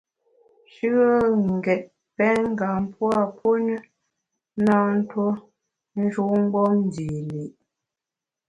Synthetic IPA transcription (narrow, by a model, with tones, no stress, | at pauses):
ʃʉ˦ə˦ŋ̩˨ɡɛ˨t̚ | pɛ˦ŋ̩˦ɡa˨m˦pwa˦˨po˦nə˦ | na˦n̩˦two˦ | n̩˦d͡ʒu˦ʔŋ̩˦ɡ͡bɔ˦n˦di˨li˨ʔ